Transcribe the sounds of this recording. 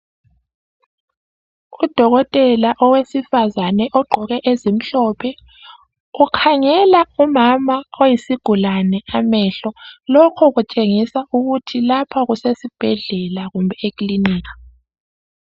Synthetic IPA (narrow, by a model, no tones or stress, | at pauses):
ud̥ʱɔɣɔtʼɛlaʔɔwesifazanɛʔɔɡ͡ǃʱɔɣɛʔezim̩ɬɔpʰɛ | ukʰaŋɛlaumamaojisiɡ̥ʱulanɛamɛɬɔlɔkʰɔɣut͡ʃʼeŋisaʔuɣutʰilapʰaɣusesib̥ʱɛɮɛlaɣumbʱɛekʼliniːkḁ